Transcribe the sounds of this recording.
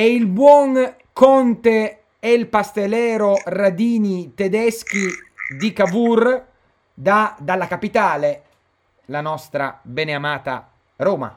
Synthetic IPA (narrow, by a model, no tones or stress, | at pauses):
ɛilbwɔŋ | kɔnt̪e | ɛlpast̪elɛːɾorad̪iːnit̪ɛd̪ɛsk̟id̪ikabur | d̪ad̪alːakapit̪aːle | lanɔst̪ɾa̰bɛneamaːt̪a̰ | ɾoːma̰